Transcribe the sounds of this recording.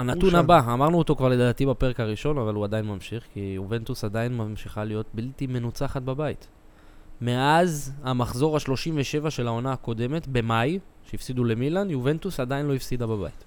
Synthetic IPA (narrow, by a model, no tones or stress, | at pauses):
anat̪unabaːmaʁnuot̪o̞kvaʁle̞d̪aːtibape̞ʁekaʁiʃo̞navaluad̪ajinmamʃiχkijuve̞nt̪usad̪ainmamʃiχalijo̞t̚biltime̞nut͡saχat̪̚babait | me̞azamaχzo̞ʁaʃlo̞ʃimve̞ʃe̞vaʃe̞lao̞naako̞d̪e̞me̞t̪be̞majʃeifsid̪ule̞milanjuve̞nt̪usad̪ajinlo̞ifsid̪ababa̰jit̪